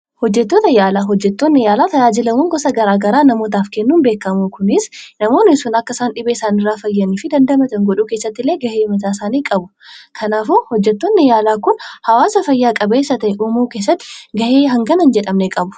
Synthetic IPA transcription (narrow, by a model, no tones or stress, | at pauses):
hɔd͡ʒːɛt̪ːo̞ːt̪ɐjaːlaːɦɔd͡ʒːɛt̪ːoːnːɪjaːlaːt̪ɐjaːd͡ʒɪlɐmuːŋɡɔsɐɡɐɾaːɡɐɾaːnɐmoːt̪̬aːfkɛnːuːnbe̞ːkːɐmukʊnɪsnɐmo̞ːnɪsuːnɐkːɐsaːnᶑɪbeːɪsaːnɪrːaːfɐjːɐniːfɪd̪ɐnd̪ɐmɐt̪ɐŋɡɔᶑuːke̞ːsːɐt̪ːɪleːɡɐheːmɐt̪aːsaːniːkʼɐbʊ̥kʰɐnaːfohɔd͡ʒːɛt̪ːo̞ːnːɪjaːlaːkʊnhɐwaːsɐfɐjːaːkʼɐbeːsːɐt̪ɐɛʔuːmuːke̞ːsːɐt̪ːɪ̥ɡɐheːɦɐŋɡɐnɐnd͡ʒɛᶑɐmnekʼɐbʊ̥